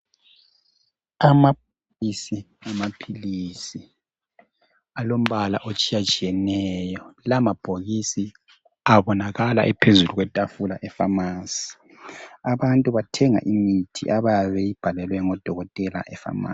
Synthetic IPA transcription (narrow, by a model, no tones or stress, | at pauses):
amap̚olisi | amapʰilisi | alom̩βalaʔot͡ʃʼijat͡ʃʼijɛnɛjɔlamab̥ʱoɣisi | aβɔnaɣala̰ʔɛpʰezuluɣwɛtʼafula̰ʔɛfamaːsi̥ | aβantʼuβatʰɛŋa̰ʔimitʰḭʔaβaβɛjib̥ʱalɛlwɛŋɔd̥ʱɔɣɔtʼɛla̰ʔɛfa̰ma̰